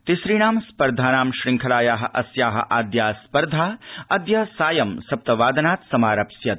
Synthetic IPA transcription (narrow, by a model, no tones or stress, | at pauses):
t̪isɾiːɳaːmspɐɾd̪ʱaːnaːmʃɾɪŋkʰɐlaːjaːɦɐ̆ʔɐsjaːɦɐ̰̆ʔaːd̪jaːspɐɾd̪ʱaːɐd̪jɐsaːjɐmsɐp̚t̪ɐʋaːd̪ɐnaːt̪sɐmaːɾɐpsjɐt̪̚